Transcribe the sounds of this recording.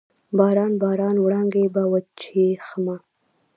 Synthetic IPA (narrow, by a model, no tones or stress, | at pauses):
bɑɾɑnbɑɾɑnwɽɑŋɡebawət͡ʃexama